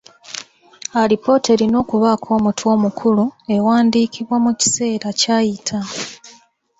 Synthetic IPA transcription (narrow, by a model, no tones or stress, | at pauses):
alipo̞ːte̞ɾino̞ːkuβakʰo̞ːmutwo̞ːmukʰulue̞waːndiːkʰiβwamuci̥se̞ːɾacajitʰa